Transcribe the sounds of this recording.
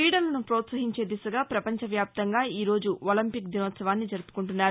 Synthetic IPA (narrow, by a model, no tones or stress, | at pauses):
iːɽɐlɐnupɾoːt̪sɐɦiɲt͡ʃe̞ːd̪isɐɡaːpɾɐpɐɲt͡ʃɐʋjaːp̚t̪ɐŋɡaːiːɾo̞ːd͡ʒuʔolɐmpikd̪inoːt̪sɐʋaːnːid͡ʒɐɾupu̥kuɳʈunːaːɾu